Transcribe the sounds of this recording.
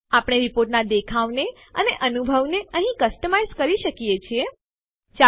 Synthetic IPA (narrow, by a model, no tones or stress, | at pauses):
apɽ̃eɾipoɾʈnad̪ekʰaʋne | əneʔənubʱəʋneə̃ɦĩkəsʈəmajzkəɾiʃəkijet͡ʃʰie | t͡ʃa